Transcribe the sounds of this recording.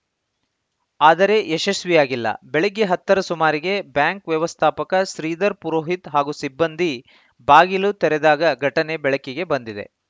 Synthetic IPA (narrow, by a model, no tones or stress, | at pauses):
aːd̪ɐɾe̞ʔeʃɐsʋijaːɡilːɐ̰bɛɭeɡeɦɐt̪ːɐɾɐsumaːɾiɡe̞bjaːŋkʋjɐʋɐst̪ʰaːpɐkɐʃɾiːd̪ɐɾpuɾoːɦit̪ɦaːɡusibːɐnd̪i | baːɡilut̪ɛɾɛd̪aːɡɐɡʱɐʈɐnebɛɭɐkiɡe̞bɐnd̪id̪e̞̰